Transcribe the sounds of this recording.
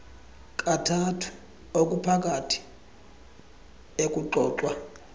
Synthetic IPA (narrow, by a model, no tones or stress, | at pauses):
kʼatʰatʰu̥ | okʼupʰak̬ʼatʰi̥ | ek̬ʼuǃɔːǁwa